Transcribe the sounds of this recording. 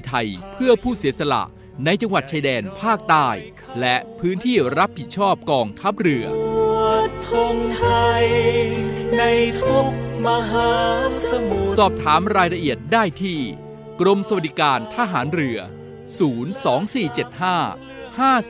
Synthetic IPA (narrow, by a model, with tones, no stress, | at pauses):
jt̪ʰa˧jpʰɯ˥˩ɐpʰuː˥˩si˩˦sa˧la̰˨˩ʔ | na˧jt͡ɕa˧ŋwa˨˩t̪̚t͡ɕʰa˧jdɛː˧npʰaː˥˩k̚t̪aː˥˩j | lɛ˦˥ʔpʰɯː˦˥nt̪ʰiː˥˩ɾa˦˥p̚hi˨˩t̪̚t͡ɕʰɔː˥˩p̚kɔː˧ŋt̪ʰa˦˥p̚ɾɯ˧ɐu˨˩t̪ʰːo˧ŋt̪ʰa˧j | na˧jt̪ʰu˦˥k̚ma˧ɦaː˩˦˧m˨ssɔː˨˩p̚t̪ʰaː˩˦mɾaː˧jɾa˧ʔi˨˩ət̪̚daː˥˩jt̪ʰiː˥˩ | kɾo˧msa˧wa˨˩di˨˩kaː˧nt̪ʰa˧ɦaː˩˦nɾɯ˧˩ɐ | suː˩˦nsɔː˩˦ŋsiː˨˩t͡ɕe˨˩t̪̚haː˥˩ | haː˥˩